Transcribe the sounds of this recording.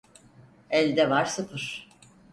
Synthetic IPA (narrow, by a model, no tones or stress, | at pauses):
ɛlʲd̪ɛvaɾsɯpʰɯɾ̥